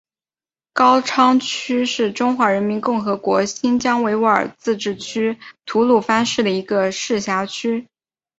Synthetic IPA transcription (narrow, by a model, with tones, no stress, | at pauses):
kɑ˥ʊʈ͡ʂʰɑ˥ŋt͡ɕʰy˥ʂɻ̩˥˩ʈ͡ʂʊ˥ŋxwa˧˥ɻə˧˥nmi˧˥nkʊ˥˩ŋxɤ˧˥kwɔ˧˥ɕi˥nt͡ɕjɑ˥ŋwe˧˥ɪwu˧˥ə̰˞˨˩t͡sɹ̩˥˧ʈ͡ʂɻ̩˥˩t͡ɕʰy˥t̪ʰu˧˥lu˥˩fa˥nʂɻ̩˥˩d̪ə˩i˧˥ɡə˧ʂɻ̩˥˩ɕja˧˥t͡ɕʰy˥